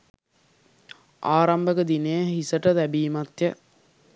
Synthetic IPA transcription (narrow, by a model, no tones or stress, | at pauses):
aːɾambəkəd̪inejəɦisəʈət̪æbiːmat̪jə